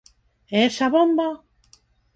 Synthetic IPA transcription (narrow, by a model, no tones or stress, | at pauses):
esaβombo